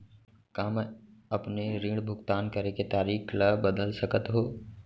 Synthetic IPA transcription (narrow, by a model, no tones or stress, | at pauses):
kaːmɐpneɾiːɽbʱʊɡt̪aːnkəɾeket̪aːɾiːkʰləbəd̪əlsəkət̪ɦoː